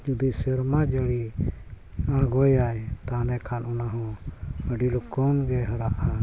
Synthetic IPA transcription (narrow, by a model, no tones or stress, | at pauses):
d͡ʒud̪isɛɾmad͡ʒəli | ãɡɔjajt̪anɛkʰanɔnaɦɔ̃əɖilɔkɔnɡɛɦəɾaʔa